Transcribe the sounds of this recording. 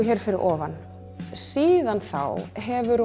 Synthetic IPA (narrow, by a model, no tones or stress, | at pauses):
çɛːɾ̥fɪɾɪɾʔɔːvan | siːðanθa̰wɦɛvʏɾ